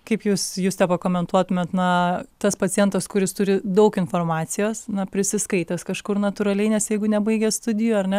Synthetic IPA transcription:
kɐɪpjuːsjuːst̪ʲɛpɐkoːmʲɛnt̪uɔt̪ʊmʲɛt̪nɐt̪ɐspɐt͡s̪ʲɪjɛnt̪ɐskʊɾʲɪst̪ʊɾʲɪd̪ɐʊkɪnfoːrmɑːt͡s̪ʲɪjoːsnɐpʲɾʲɪsʲɪskɐɪt̪ʲɐskɐʃkʊrnɐt̪ʊɾɐlʲɛɪnʲɛsjɛɪɡʊnʲɛbɐɪɡʲɛst̪ʊd̪ʲɪjuɐɾʲnʲɛ

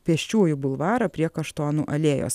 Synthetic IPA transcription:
pʲɛɛʃʲt͡ʃʲuːjʊbʊlˠʋɑːɾɐpʲɾʲiɛkɐʃt̪oːnṵʔɐlʲeːjo̰ːs

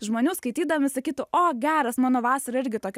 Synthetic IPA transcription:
ʒmoːnʲuːskɐɪt̪ʲiːd̪ɐmʲɪsɐkʲiːt̪ʊʔoːɡʲæːɾɐsmɑːnoːʋɑːsɐɾɐɪɾʲɡʲɪt̪oːkʲ

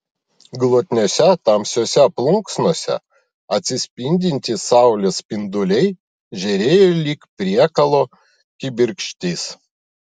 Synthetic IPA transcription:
ɡlˠoːt̪ʲnʲoːsʲɛt̪ɐmʲsʲoːsʲɛɐplˠʊŋksnoɔsʲɛ̰ | ɐt̪ʲsʲɪsʲpʲɪnʲd̪ʲɪnʲt̪ʲɪsɑˑʊlʲespʲɪnd̪ʊlʲɛɪ | ʒʲɛɾʲeːjolʲiːkpʲɾʲiɛkɐlˠoː | kʲɪbʲɪɾʲkʃʲt̪ʲiːs

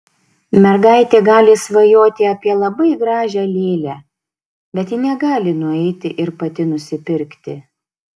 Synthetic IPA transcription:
mʲɛɾɡɑɪt̪ʲeːɡɑːlʲɪsʋɐjoːt̪ʲɪɐpʲiɛlˠɐbɐɪɡɾɑːʒʲælʲeːlʲæ | bʲɛt̪jɪnʲɛɡɑːlʲɪnʊɛɪt̪ʲɪʔɪɾpɐt̪ʲɪnʊsʲɪpʲɪɾʲkt̪ʲɪ

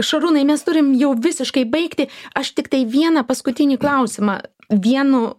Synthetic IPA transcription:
ʃɐɾunɐɪmʲɛst̪ʊɾʲɪmjɛʊʋʲɪsʲɪʃkɐɪbɐɪkt̪ʲɪɐʃt̪ʲɪkt̪ɐɪʋʲiɛnɐpɐskʊt̪ʲɪnʲiːklˠɐʊsʲɪmɐ̰ | ʋʲiɛnʊ

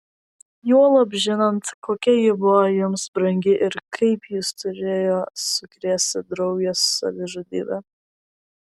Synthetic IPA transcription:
juɔlˠɐbʲʒʲɪnɐnt̪koːkʲɛjɪbʊʋɔjʊmsbɾɐŋʲɡʲɪʔɪɾkʰɐɪpjɪst̪ʊɾʲeːjoːsʊkɾʲeːsʲt̪ʲɪd̪ɾɐʊɡɛsːɐ̰ʋʲɪʒɐd̪ʲḭːbɛ

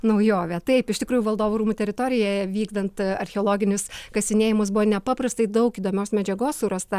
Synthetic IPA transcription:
nɐʊjoːʋʲɛt̪ɐɪpɪʃt̪ʲɪkɾuːjuʋɐlˠd̪oːʋuːɾuːmuːt̪ʲɛɾʲɪt̪oːɾʲɪjɛʋʲiːɡd̪ɐnt̪ɐɾʲxʲɛoːlˠoːɡʲɪnʲʊskɐsʲɪnʲeːjɪmʊs̬bʊʋɔːnʲɛpɑːpɾɐst̪ɐɪd̪ɐʊkiːd̪oːmʲɛːsmʲɛd͡ʒʲɛɡoːsuɾɐst̪ɐ

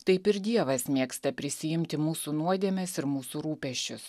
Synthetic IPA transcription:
t̪ɐɪpɪɾd̪ʲiɛʋɐsmʲeːkst̪ɐpʲɾʲɪsʲɪjɪmʲt̪ʲɪmuːsuːnuɔd̪ʲeɛmʲɛsɪɾmuːsuːɾuːpʲɛʃʲt͡ʃʲʊs

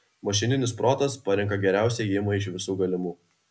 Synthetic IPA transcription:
mɐʃ̬ʲɪnʲɪnʲɪspɾoːt̪ɐspɐɾʲɛŋkɐɡʲɛɾʲæˑʊsʲɛːɪmɐɪʃʋʲɪsuːɡɐlʲɪmuː

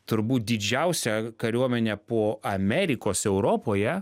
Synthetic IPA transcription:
t̪ʊɾbuːt̪̚d̪ʲɪd͡ʒʲɛʊsʲɛkɐɾʲuɔmʲɛnʲɛpoːɐmʲɛɾʲɪkoːsɛʊɾoːpoːjɛ

